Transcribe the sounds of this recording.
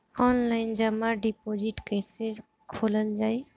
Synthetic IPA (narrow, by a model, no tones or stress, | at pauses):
ɔːnlaːɪnd͡ʒəmãɖipoːd͡ʒiʈkeɪseɾ | kʰoːlənd͡ʒaːi